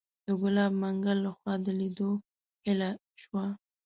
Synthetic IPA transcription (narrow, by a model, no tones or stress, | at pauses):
d̪̥əɡʊlɑbmaŋɡalːaxwɑd̪əlid̪o | hɪla | ʃwa